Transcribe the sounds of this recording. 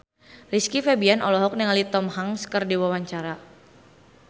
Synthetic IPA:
riskifebianɔlɔɦɔk̚niŋalit̪ɔmhaŋskərdiwawaɲt͡ʃaɾa

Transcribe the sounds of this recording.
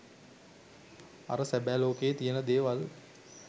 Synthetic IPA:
a̰ɾəsæbæːloːkejt̪ijənəd̪eːʋal

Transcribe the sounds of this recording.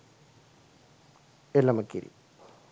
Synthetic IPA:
elːɐmɐkːḭɾḭ

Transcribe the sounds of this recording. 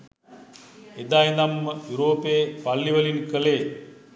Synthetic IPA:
ed̪ajnamːəjuɾoːpeːpalːiʋɐlinkəleː

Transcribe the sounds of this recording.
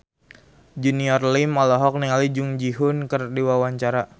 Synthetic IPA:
d͡ʒuniɔrlimɔlɔɦɔk̚niŋalid͡ʒʊŋd͡ʒiɦʊnkərdiwawaɲt͡ʃaɾa

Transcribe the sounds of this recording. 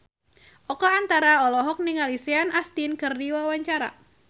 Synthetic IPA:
ʔɔkɔant̪aɾaɔlɔɦɔk̚niŋaliseanast̪inkɨrdiwawaɲt͡ʃaɾa̰

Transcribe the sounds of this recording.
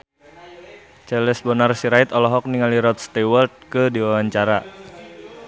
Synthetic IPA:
t͡ʃɛlɛsbɔnarsiɾait̪ɔlɔɦɔk̚niŋaliɾɔt̪̚st̪ewəlt̪̚kədiwawaɲt͡ʃaɾa

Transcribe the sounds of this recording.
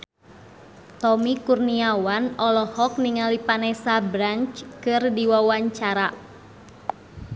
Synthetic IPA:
t̪ɔmikurniawanɔlɔhɔk̚niŋalipanɛsabɾant͡ʃkɨrdiwawaɲt͡ʃaɾa

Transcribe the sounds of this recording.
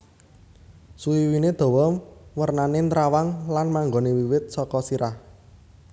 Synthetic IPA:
suiwined̪̥o̤wɔwərnanent̪ɾawaŋlanmaŋɡonewiwɪt̪̚sɔkɔsiɾah

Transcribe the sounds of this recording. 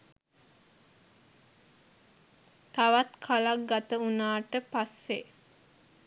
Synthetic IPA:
t̪aʋat̪kʰalak̚ɡat̪əunaːʈəpasːe

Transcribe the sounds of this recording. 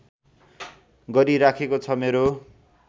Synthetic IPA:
ɡʌɾiɾakʰekot͡sʰʌmeɾo

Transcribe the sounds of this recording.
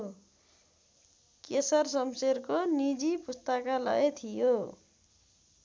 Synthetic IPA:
kesʌrsʌmseɾkonid͡zipust̪ʌkalʌ̰et̪ʰijo

